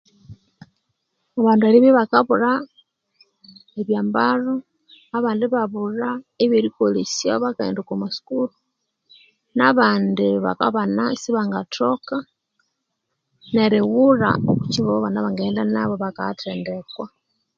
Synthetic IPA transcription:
aβaːndualiβiβakaβuɾa | eβjaːmbaro | aβaːndiβaβuraeβeɾikolisiaβakaḛndukomasu̥kulu | naβaːndiβa̰ka̰βanasiβaŋɡatʰoka | neɾewura̰okuciβoβanaβaŋɡeːndanaβoβaka̰tʰeːndekwa

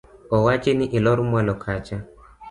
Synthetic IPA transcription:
ɔwat͡ʃiniʔilɔɾumwalɔkʰat͡ʃa

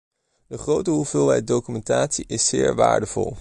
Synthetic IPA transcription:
dəχrowtəɦuvɪːlˠɦɛjt̚dowkymɛntaːtsiʔɪsːɪːɹʋa̰ːɹdəv̥ɔ̰lˠ

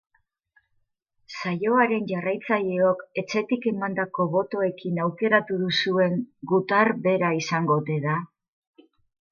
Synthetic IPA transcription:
saʎo̞aɾe̞nʝarajt͡saʎeo̞ke̞t͡se̞t̪ike̞mand̪ako̞βo̞t̪o̞e̞kinawke̞ɾat̪uðusue̞ŋɡut̪arbe̞ɾaisaŋɡo̞t̪e̞ða

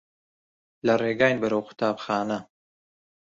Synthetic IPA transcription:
lɐreːɡaːjnbɐɾɐwqʰʊ̥t̪ʰaːbxaːnɐ

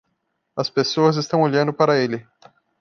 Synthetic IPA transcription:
ɐspesoɐzɪst̪ɐ̃w̃oʎɐ̃nd̪ʊpaɾɐelɪ

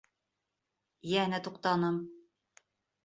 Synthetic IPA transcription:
jænæt̪uqt̪ɑnɤm

